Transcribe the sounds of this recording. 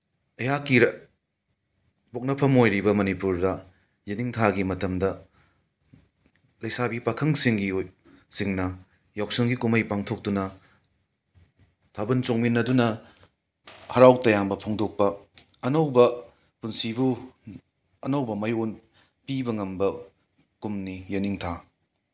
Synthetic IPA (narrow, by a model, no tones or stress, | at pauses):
ɐjakiɾɐ | bok̚nɐpʰɐmojɾibɐmɐnipuɾdɐ | jiniŋtʰaɡimɐtɐmdɐ | lɐjsabipakʰɐŋsiŋɡi | siŋnɐ | jawk̚sɐŋɡikumɐjpaŋtʰok̚tunɐ | tʰabɐnt͡ʃoŋminːɐdunɐ | hɐɾawtɐjambɐpʰoŋdok̚pɐː | nɐwbɐ | punsibu | ɐnɐwbɐmɐjon | pibɐŋɐmbɐ | kumnijɐniŋtʰa